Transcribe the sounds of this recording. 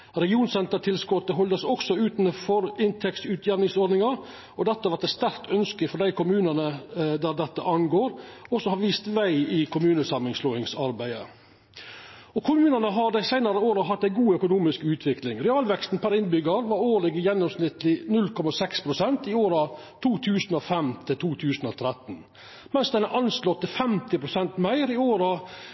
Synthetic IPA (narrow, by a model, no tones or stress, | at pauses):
ɾɛɡɪuːnsɛnt̪əʈʰɪlskɔt̪ːəɦɔld̪əsɔksɔʉːt̪n̩fɔɾɪnt̪ʰɛkt̪ʉːt̪ʰjæɾnɪŋsɔɾɖ̪nɪŋɑ | ɔd̪ɛt̪ːəʋɑt̪ɛst̪æɾkt̪ʰœnskəfɔɾɖ̪æɪkʰʊmʉːnənəd̪æɾd̪ɛt̪ːə̰ʔɑnɡoːɾɔsɔhɑɾʋiːst̪ʋæɪɪkʰʊmʉːnəsɑmɪŋsloːɪŋsɑɾbæɪə̰ | ɔkʰʊmʉːnənəɦɑɾd̪æɪsæɪnɑɾəoːɾɑɦɑt̪ːæɪɡuːœkʊnuːmɪskʉːt̪ʰʋɪklɪŋɾɛɑːlʋɛkst̪n̩pʰæɾɪnbʏɡɑɾʋɑɾoːɭɪɡəjɛnːɔmsnɪt̪lɪnʉlkʰɔmɑsɛkspʰɾʊsɛnt̪ɪoːɾɑt̪ʰuːt̪ʰʉːsnɔfɛmt̪ʰɪlt̪ʰuːt̪ʰʉːsn̩ɔt̪ʰɾɛt̪n̩ | mɛnsd̪ɛnæʔɑnslɔt̪ːɪfɛmt̪ɪpʰɾʊsɛnt̪mæɪɾɪoːɾɑ